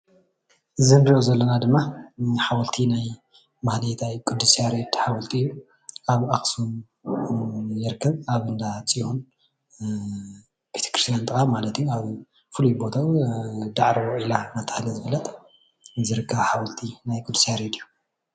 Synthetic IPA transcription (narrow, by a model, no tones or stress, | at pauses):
ɨzɨniozɐlːɐnad̪ɨmːaħawɐlt̪ʰinaj | mahlit̪ʰajkʼɨd̪usijaɾed̪ħawɐlt̪ʰiɨjːu | aβaxsun | jɪɾkʰːɐβaβɨnd̪at͡sʼihun | bet̪ʰe̥kɾi̥st̪ʰjant̪ʼɨxamalɐt̪juaβ | fɨlujbo̞t̪ʰawd̪aʕɾiwɔʕilanat̪ʰɐ̥hlɐzɨβɐlɐt̪ʼ | zɨɾɨkʰːɐβħawɐlt̪ʰinajkʼud̪ːu̥sijaɾed̪ijːu